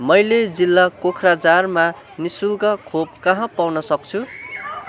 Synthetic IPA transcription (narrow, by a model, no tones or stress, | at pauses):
mʌjled͡zilːakokʰrad͡zarma | nisulɡʌkʰob̚kʌɦʌ̃pawnʌsʌk̚t͡sʰu